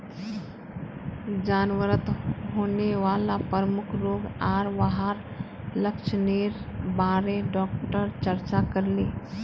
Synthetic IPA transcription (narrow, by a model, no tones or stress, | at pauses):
d͡ʒaːnʋəɾət̪ɦoːneʋaːlapəɾəmʊkʰɾoːɡaːɾʋaɦaɾ | ləkt͡ʃʰneːɾbaːɾeɖɔːk̚ʈəɾt͡ʃəɾt͡ʃakəɾleː